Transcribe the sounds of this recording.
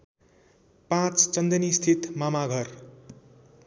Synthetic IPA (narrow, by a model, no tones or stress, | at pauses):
pãt͡st͡sʌnd̪ʌnist̪ʰit̪mamaɡʱʌr